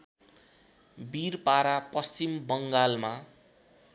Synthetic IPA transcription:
birpaɾapʌst͡ɕimbʌŋɡalma

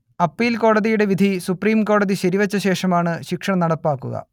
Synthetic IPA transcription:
ɐpːiːlko̞ːɽɐðijuɽe̞ʋid̪ʱisupriːmko̞ːɽɐðiɕɐɾiʋɐt͡ɕːɐɕe̞ːʂɐmaːɳɨɕikʂɐɳɐnɐɽɐpːaːkːuɣɐ̰

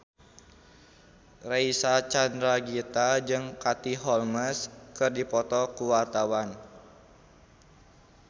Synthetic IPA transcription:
raisat͡ʃandɾaɡit̪ad͡ʒɨŋkat̪iɦɔlməskɨrdipɔt̪ɔkuwart̪awan

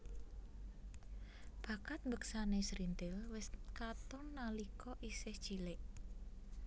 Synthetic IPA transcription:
b̥ä̤kat̪̚mbəksanesɾind̪ɪlwɪskat̪ɔnːalikʰɔʔisɪhd̥ʒ̥i̤lɪʔ

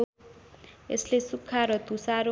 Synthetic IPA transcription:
eslesukʰːaɾɔt̪usaɾo

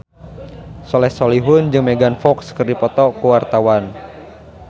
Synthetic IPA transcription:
sɔlɛhsɔliɦʊnd͡ʒɨŋmɛɡanfɔkskərdipɔt̪ɔkuwart̪awan

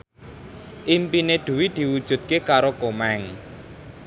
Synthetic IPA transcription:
ʔimpineɖ̪̥ṳwid̪̥i̤wud̥ʒ̥ṳt̪̚kekaɾokomɛŋ

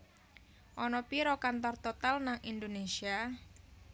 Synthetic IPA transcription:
ʔɔnɔpiɾɔkant̪ɔrt̪ɔt̪alnaŋind̪onesia

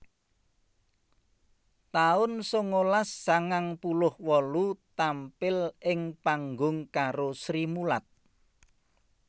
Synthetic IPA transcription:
t̪aʊnsʊŋːolasːaŋaŋpulʊhwɔlut̪ampɪlɪŋpaŋɡʊŋkaɾosɾimulat̪̚

